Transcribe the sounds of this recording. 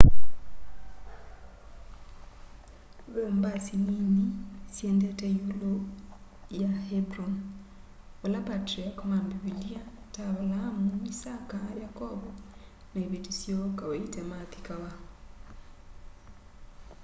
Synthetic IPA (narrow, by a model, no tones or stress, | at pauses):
βembasininisjendeteulo | jahebɾɔn | olapatɾiakomambiβilia | taβalaamumisakajakɔβo | naiβetisjokaβaitemaθi̥kaβa